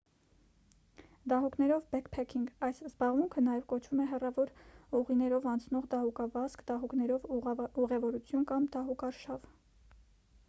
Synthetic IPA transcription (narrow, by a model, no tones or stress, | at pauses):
d̪ɑɦuknɛɾɔvbɛkpʰɛkʰiŋɡɑjszbɑʁmuŋkʰənɑjɛvkɔt͡ʃʰvumɛɦɛrɑvɔɾuʁinɛɾɔvɑnt͡sʰnɔʁd̪ɑhukɑvɑskd̪ɑɦuknɛɾɔvuʁɛvɔɾut͡sʰjunkɑmd̪ɑɦukɑɾʃɑv